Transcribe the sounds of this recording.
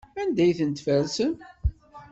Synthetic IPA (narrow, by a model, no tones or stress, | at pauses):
ænd̪æjθənt̪fæɾsən